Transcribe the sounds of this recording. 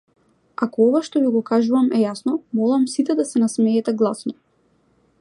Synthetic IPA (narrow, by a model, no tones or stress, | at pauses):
akɔɔvaʃt̪ɔviɡɔkaʒuvamɛjasnɔmɔlˠamsit̪ɛd̪asɛnasmɛːt̪ɛɡlˠasnɔ